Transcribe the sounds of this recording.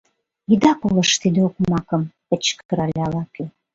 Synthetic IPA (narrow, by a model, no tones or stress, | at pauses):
id̪ɑkolə̆ʃt̪id̪eokmɑkəmpə̆t͡ɕkəɾɑlʲeɑlɑke